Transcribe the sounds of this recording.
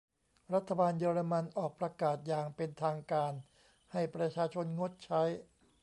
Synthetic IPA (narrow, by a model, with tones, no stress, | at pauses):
ɾa˦˥t̪ʰːa˧baː˧njɤː˧ɾa˧ma˧nʔɔː˨˩k̚pɾa˧kaː˨˩t̪̚jaː˨˩ŋpe˧nt̪ʰaː˧ŋkaː˧n | ha˥˩jpɾa˧t͡ɕʰaː˧t͡ɕʰo˧nŋo˦˥t̪̚t͡ɕʰa˦˥j